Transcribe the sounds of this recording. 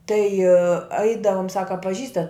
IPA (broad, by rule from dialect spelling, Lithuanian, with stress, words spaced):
tɐɪ ˈɐɪdɐʋʊm ˈsɑːkɐ ɐ pɐˈʒʲiːstɐt